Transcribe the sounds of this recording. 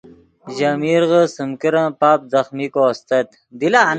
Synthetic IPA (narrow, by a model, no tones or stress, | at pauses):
ʑamiɾʁəsəmkiɾãːpaːp̚zɐxmikost̪ɐt̪ | d̪ilaːn